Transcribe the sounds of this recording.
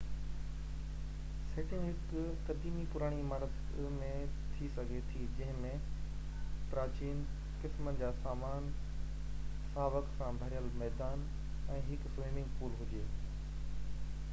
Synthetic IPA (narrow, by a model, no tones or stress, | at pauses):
seːʈɪũɦɪk | t̪ɐɾd̪iːmipʊɾaːɽ̃iɪmaːɾət̪ | mẽt̪ʰisɐɡʱet̪ʰid͡ʑɐ̃ɦɪ̃mẽ | pɾaːt͡ɕiːn | kɪsmənɪ̆d͡ʑaːsaːmaːn | saːʋəksãbʱɐɾɪjəlmɛːd̪aːn | ɛ̃ːɦɪkfɾeːmɪ̃ŋɡpuːɾɦʊd͡ʑeː